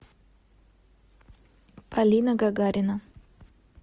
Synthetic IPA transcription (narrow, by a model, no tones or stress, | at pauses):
pɐlʲinɐɡaɡaɾʲɪnɐ